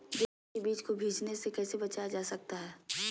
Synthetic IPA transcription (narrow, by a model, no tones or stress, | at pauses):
d̪e | ebiːt͡ʃkobʱiːd͡ʒnesekɛːsebɐt͡ʃajad͡ʒaːsɐk̚t̪aɦɛː